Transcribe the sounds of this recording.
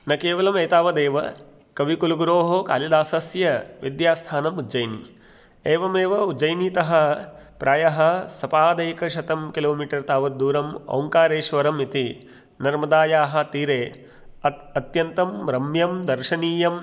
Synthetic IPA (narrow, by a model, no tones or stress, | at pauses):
nɐkeːʋɐlɐmɐjt̪aːʋɐd̪eːʋɐ̰ | kɐʋikuluɡuɾoːɦoka̰ːlid̪aːsɐsjɐʋid̪jaːst̪ʰaːnɐmud͡ʒɐjnḭ | eːʋɐmeːʋɐud͡ʒɐjniːt̪ɐɦɐ̆pɾʔaːjɐɦɐsɐpaːd̪ɐjkɐʃɐt̪ɐmkiloːmiːʈɐɾt̪aːʋɐd̪uːɾɐmɐ̰wŋkaːɾeːʃʋɐɾɐmit̪i | nɐɾmɐd̪aːjaːɦɐ̆t̪iːɾeː | ɐt̪jɐnt̪ɐmɾɐmjɐmd̪ɐɾʃɐniːjɐm